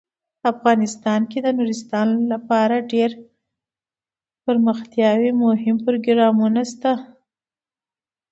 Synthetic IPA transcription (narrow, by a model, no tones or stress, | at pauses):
pafɣɑnɪst̪ɑnked̪ənuɾɪst̪ɑnlapɑɾaɖeɾ | pəɾməxt̪jɑwimohɪmpɾoɡɾɑmunast̪a